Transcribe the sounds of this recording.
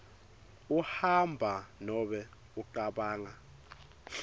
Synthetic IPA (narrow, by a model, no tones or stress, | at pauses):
uhambʱanɔɓɛ | uǃaɓaːŋa